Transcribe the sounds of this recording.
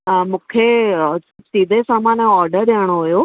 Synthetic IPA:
mũːkʰesɪbsiːd̪ʱesaːmaːnɔːɾɖəɾɗaːɽ̃oɦʊjo

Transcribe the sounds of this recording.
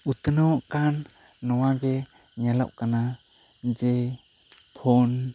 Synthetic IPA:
ut̪ənɔwʔkanːɔwaɡɛ | ɲɛlawʔkana | d͡ʒɛ | pʰɔn

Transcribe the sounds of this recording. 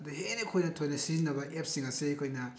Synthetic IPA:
dɐɦenekʰojnɐtʰojnɐsizinːɐbɐʔep̚siŋɐsekʰojnɐ

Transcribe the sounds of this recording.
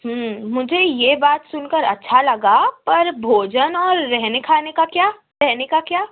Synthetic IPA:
ɦəmʊd͡ʒʱejebaːt̪sʊnkəɾɐ̰tːʃʰalɐɡapɐɾbʱoːd͡ʒənɔːɾːɛɦnekʰaːnekakjaː | ɾɛɦnekakjaː

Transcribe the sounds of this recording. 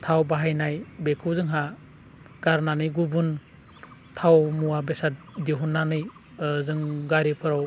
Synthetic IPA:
tʰawbaɦajnajbekʰɯwzɯŋɦa | ɡ̥aɾnanɯjɡubun | tʰawmuwabesat̚deɦunːanɯj | zɯŋɡaɾipʰɯɾaw

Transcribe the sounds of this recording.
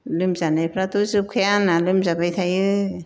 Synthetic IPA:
lɯmzanajpʰɾat̪uzɯp̚kʰajanalɯmzabajt̪ʰajɯ

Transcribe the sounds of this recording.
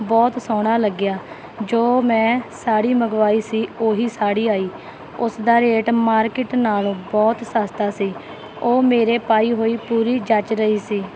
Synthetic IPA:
bɔːt̪soːɽ̃aːləɡjaː | d͡ʒoːmɛ̃ːsaːɽiːməɡʋaːiːsiːoːɦiːsaːɽiːaːiː | ʊsd̪aːɾeːʈmaːɾkɪʈnaːlõːbɔːt̪saːst̪aːsiː | oːmeːɾeːpaːiːɦoːiːpuːɾiːd͡ʒət͡ʃɾəiːsiː

